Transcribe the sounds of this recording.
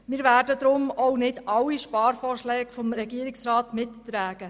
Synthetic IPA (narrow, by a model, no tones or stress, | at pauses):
mɪːɾʋæːɾdəd̪ɾʊmɔʊnɪdɑwiʃpɑːɾfɔːrʃlɛːɡfɔmɾɛɡiəɾɪksɾɑːtmɪttɾæːɡ̥ə